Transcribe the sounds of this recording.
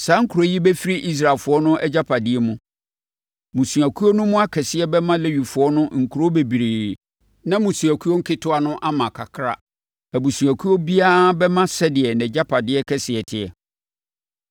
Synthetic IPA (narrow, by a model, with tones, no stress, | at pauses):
sa˨˦ŋ̩˦kʰu˨ɾo˦ji˦bɛ˦fi˦ɾi˦ʔi˦s̬ɾa˨lfʊ˨˦ɔ˦nʊ̃˦ʔɛ˦d͡ʑa˦pʰa˨dɪ˦ɛ˦mʊ̃˦ | mũ˨su˨æ˨kʰu˦o˦nʊ̃˦mʊ̃˦a˦kʰɛ˨sɪ˦ɛ˦bɛ˦mã˦le˦ɥi˨fʊ˨ɔ˦nʊ̃˦ŋ̩˨kʰu˨ɾo˦be˨bi˨ɾe˨ | nã˦mũ˨sũ˨æ˨kʰu˦o˦ŋ̩˦kʰɪ˦tʰʊ˦a˨nʊ̃˦ʔa˦mã˨kʰa̰˨kʰɾa̰˦ | æ˨bu˨sũ˨æ˨kʰu˦o˦bi˦a˦bɛ˦mã˦sɛ˦dɪ˨ɛ˨nɛ̃˨d͡ʑa˦pʰa˨dɪ˦ɛ˦kʰɛ˦sɪ˨ɛ˨tʰɪ˨ɛ˨